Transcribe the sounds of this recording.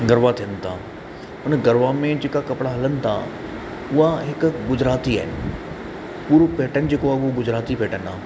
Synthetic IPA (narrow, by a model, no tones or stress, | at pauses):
ɡɐɾʋat̪ʰijənɪt̪ʰaː | ʊnəɡɐɾʋamẽd͡ʑeːkakɐpɪɽaɦɐlənɪ̆t̪ʰa̰ | ʊɦaɦɪkʊɡʊd͡ʑɾaːt̪ia̰ːɪnɪ̆ | puːɾopeːʈənɪ̆d͡ʑeːkoaʊɦoɡʊd͡ʑɾaːt̪ipeːʈənaː